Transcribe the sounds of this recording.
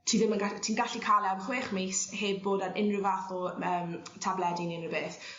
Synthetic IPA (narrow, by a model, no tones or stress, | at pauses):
tʰiːðɪmanɡatʰiːnɡaɬikʰalˠɛavχweːχmejsheːb̚boːdanʔɪnrɪvaθɔəːmtʰablɛdɪnɪnrəbeːθ